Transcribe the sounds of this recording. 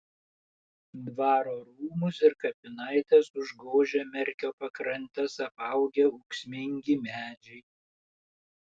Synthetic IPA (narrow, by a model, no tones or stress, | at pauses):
d̪ʋɑːɾoːɾuːmʊsɪɾkɐpʲɪnɐɪt̪ʲɛsʊʒɡoːʒʲɛːmʲɛɾʲkʲoːpɐkɾɐnʲt̪ʲɛsɐpɐʊɡʲɛʊksʲmʲɪŋʲɡʲɪmʲæːd͡ʒʲɛɪ